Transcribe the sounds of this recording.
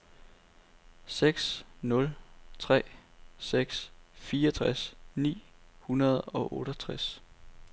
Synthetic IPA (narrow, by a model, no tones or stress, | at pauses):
seɡ̥snɔ̽lt͡sʰʁɛ̰ːseɡ̥sfiːɒt͡sʰʁasnḭːhunɐð̞ˠɒ̽ʔɔːɾ̥ɐt͡sʰʁas